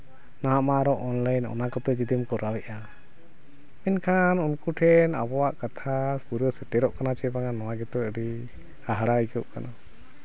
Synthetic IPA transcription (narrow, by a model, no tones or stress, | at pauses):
naɦamaɾɔʔɔnlajnɔ̰nakɔt̪ɔd͡ʒid̪imkɔɾawɛʔa | minkʰanunkuʈʰɛna̰bɔwaʔkat̪ʰaspuɾəsɛʈɛɾɔʔkanat͡ʃɛbaŋanɔwaɡɛt̪ɔəɖi | haɦɽaikəp̚kana